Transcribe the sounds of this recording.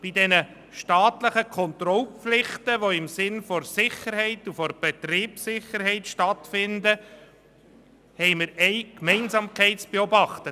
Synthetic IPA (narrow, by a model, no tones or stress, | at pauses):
b̥idɛnə | ʃtɑːtləχəkʰɔnt̪rɔlpflɪχtəʋoɪmsɪnfɔɾsɪχːəɾhɛɪt̪ufɔɾb̥ɛt̪riːpsɪχːəɾhɛɪtʃtɑtfɪndə | hɛɪjmɪɾɛɪkmɛɪnzɑːmkʰɛɪtt͡sb̥eɔbɑχt̪ə